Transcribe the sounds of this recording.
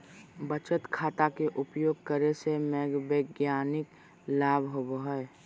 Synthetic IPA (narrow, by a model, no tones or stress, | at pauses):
bət͡ʃət̪kʰaːt̪akeʔʊpjoːɡ̚kəɾesemɛːɡʋeːɡjaːnɪk | laːbʱɦoboɦəe